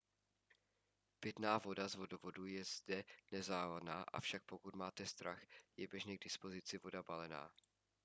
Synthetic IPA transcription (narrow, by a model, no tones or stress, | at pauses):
pɪt̪naːvo̞dazvo̞dovo̞dujɛzdɛnɛzaːlanaːʔa̰fʃak̚po̞kut̪maːt̪ɛst̪ɾaxjɛbjɛʒnɛɡ̚dɪspo̞zɪt͡sɪvo̞dabalɛna̰ː